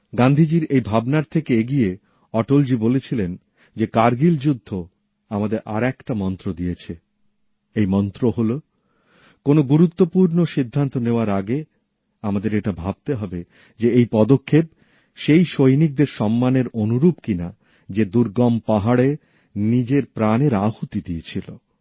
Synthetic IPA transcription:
ɡand̪ʱid͡ʑiɾejbʱabnaɾt̪ʰekeeɡie | ɔʈold͡ʑibolet͡ɕʰilen | d͡ʑekaɾɡild͡ʑud̪ʱːo | amad̪eɾʔa̰ɾɛkʈamɔnt̪ɾod̪ijet͡ɕʰe | ejmɔnt̪ɾoɦolo | konoɡuɾut̪ːopuɾnoʃid̪ʱːant̪oneoaɾaɡe | amad̪eɾeʈabʱab̚t̪eɦɔbe | d͡ʑeejpɔd̪okʰːep̚ | ʃejʃojnik̚d̪eɾʃɔmːaneɾonuɾupkina | d͡ʑed̪uɾɡɔmpaɦaɽe | nid͡ʑeɾpɾaneɾahut̪id̪iet͡ɕʰilo

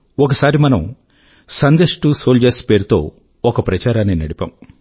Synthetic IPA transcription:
ɔkɐsaːɾimɐnɐm | sɐnd̪eʂʈusoːld͡ʒeːspe̞ːɾut̪o̞̰ː | ɔkɐpɾɐt͡ʃaːɾaːnːinɐɽipa̰ːm

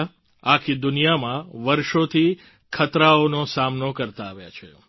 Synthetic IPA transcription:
akʰid̪unijamãʋəɾʃot̪ʰi | kʰət̪ɾaonosamnokəɾt̪aːʋja̰t͡ʃʰe

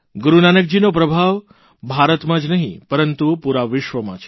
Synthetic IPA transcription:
ɡuɾunanək̚d͡ʒinop̬ɾəbʱaʋ | bʱaɾət̪mãd͡ʒnəɦĩpəɾənt̪upuɾaʋɪʃʋəmã̰t͡ʃʰ

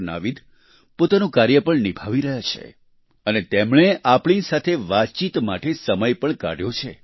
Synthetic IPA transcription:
na̰ʋid̪ʱ | pot̪anũkaɾjəpəɳnibʱaʋiɾəɦjat͡ʃʰḛ | ənet̪emɳ̃eʔapɳ̃isat̪ʰeʋat̪̚t͡ʃit̪maʈesəməjpəɳka̰ɽjõt͡ʃʰe

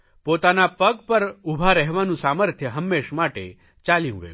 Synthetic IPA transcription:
pot̪anapəɡpəɾubʱaɾəɦʋanũsaməɾt̪ʰjəɦəmːeʃmaʈḛ | t͡ʃalijṵ̃ɡə̰jũ

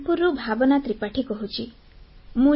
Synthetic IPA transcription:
puɾubʱabɔnat̪ɾipaʈʰikɔɦut͡ʃʰi | mũ

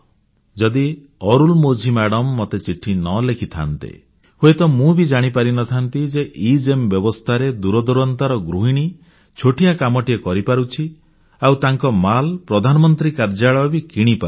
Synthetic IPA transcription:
d͡ʒɔd̪i | ɔɾulmod͡ʒʱimaɽɔmːɔt̪et͡ʃiʈʰinɔlekʰit̪ʰa̰nt̪ḛ | huet̪ɔmũbid͡ʒaɽ̃ipaɾinɔt̪ʰant̪id͡ʒeʔid͡ʒembjɔbɔst̪ʰaɾed̪uɾɔd̪uɾɔnt̪aɾɔɡɾuɦiɽ̃i | t͡ʃʰoʈijakamɔʈiekɔɾipaɾut͡ʃʰi | awt̪aŋkɔmalpɾɔd̪ʱanɔmɔnt̪ɾikaɾd͡ʒaɭɔbikiɽ̃ipaɾu

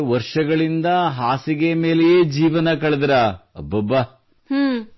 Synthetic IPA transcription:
ʋɐɾʂɐɡɐɭind̪ɐɦaːsiɡeme̞ːlejeːd͡ʒiːʋɐnɐkɐɭɐd̪ɾaɐbːɐbːɐ

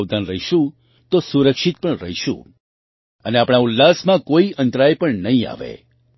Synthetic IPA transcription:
ʋd̪ʱanɾəɦiʃũ | t̪osuɾəkʃit̪̚pəɳɾəɦiʃṵ̃ | əneapɽɳ̃aʊlːasmãkoiʔə̃nt̪ɾajpəɳnəɦĩa̰ʋḛ

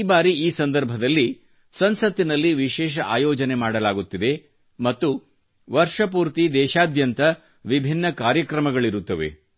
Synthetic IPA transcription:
baːɾiiːsɐnd̪ɐɾbʱɐd̪ɐlːi | sɐnsɐt̪ːinɐlːiʋiʃɛːʃ̬ɐʔaːjɔːd͡ʒɐne̞maːɽɐlaːɡut̪ːid̪e̞ | mɐt̪ːu | ʋɐɾʂɐpuːɾt̪id̪ɛːʃaːd̪jɐnt̪ɐ | ʋibʱinːɐkaːɾjɐkɾɐmɐɡɐɭiɾut̪ːɐʋe̞̰

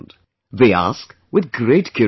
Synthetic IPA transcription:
nd̥ | ðeɪæ̰sk | wɨðɡɹeɪt̚kʰj̥ʊ

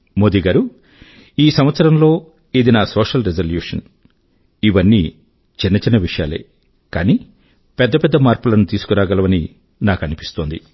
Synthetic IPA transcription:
moːd̪iɡaːɾu | iːsɐmʋɐt̪sɐɾɐmlo̞ː | id̪inaːsoːʂɐlɾed͡ʒɐljuːʂɐn | iʋɐnːiː | t͡ʃinːɐt͡ʃinɐʋiʂɐjaːle̞̰ː | kaːniː | pɛd̪ːɐpɛd̪ːɐmaːɾpulɐnut̪iːsu̥kuɾaːɡɐlɐʋɐni | naːkɐnipi̥st̪oːnd̪i

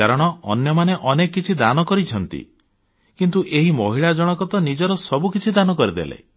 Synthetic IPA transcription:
aɾɔɽ̃ɔɔ̰njɔmaneʔɔnekːit͡ʃʰid̪anɔkɔɾit͡ʃʰɔnt̪ḭ | kint̪uʔeɦimɔɦiɭad͡ʒɔɽ̃ɔkɔt̪ɔnid͡ʒɔɾɔsɔbukit͡ʃʰid̪anɔkɔɾid̪ḛlḛ

